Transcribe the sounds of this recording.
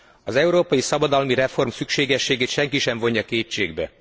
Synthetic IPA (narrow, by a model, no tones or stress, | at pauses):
ɒzɛuɾoːpɒjisɒbɒd̪ɒlmiɾɛfo̞rmsykʃeːɡɛʃːeːɡeːt̪ʃɛŋkiʃɛɱvo̞ɲːɒkeːt͡ʃːeːɡbɛ̰